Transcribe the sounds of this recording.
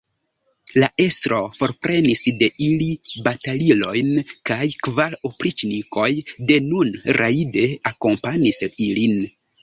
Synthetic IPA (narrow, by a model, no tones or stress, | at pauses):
laʔe̞stɾo̞fo̞ɾpɾe̞nisde̞ʔilibatalilo̞jnkajkvalopɾit͡ʃniko̞jde̞nunɾʔaide̞ako̞mpaɲisilin